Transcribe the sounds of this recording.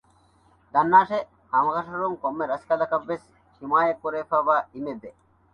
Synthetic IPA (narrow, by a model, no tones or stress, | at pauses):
d̪ɐnːaːʂe | hɐmɐɣɐʂɐɾuŋkɔmːeɾɐskɐlɐkɐʋːes | ʃimaːjɐkːuɾeːfaːʋaːimebe